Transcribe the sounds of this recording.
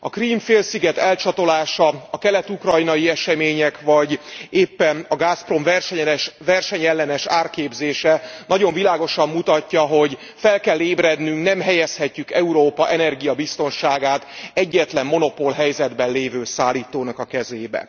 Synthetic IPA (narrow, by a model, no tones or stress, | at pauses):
ɒkriːmfeːlsiɡɛt̪ɛlt͡ʃɒt̪o̞laːʃɒɒkɛlɛt̪ukrɒjnɒjiɛʃɛmeːɲɛkʋɒɟeːpːɛnɒɡaːspro̞mvɛrʃɛvɛrʃɛɲɛlːɛnɛʃaːrkeːbzeːʃɛnɒɟo̞ɱvilaːɡo̞ʃɒmːut̪ɒcːɒɦo̞ɟ | fɛlkɛlːeːbɾɛd̪nyŋknɛmɦɛjɛshɛcːykɛuɾoːpɒʔɛnɛrɡijɒbist̪o̞nʃaːɡaːt̪ɛɟːɛt̪lɛmːo̞no̞po̞lɦɛjzɛd̪bɛnleːvøːsaːlːiːt̪oːnɒkɒkɛzeːbɛ̰